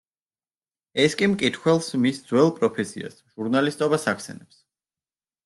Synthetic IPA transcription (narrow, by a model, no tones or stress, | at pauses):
ɛskʼimkʼit̪ʰχwɛlˠsmisd̪zwɛlˠpʼɾɔpʰɛsḭa̰sʒ̥uɾnalist̪ʼɔbasakʰsɛ̰nɛps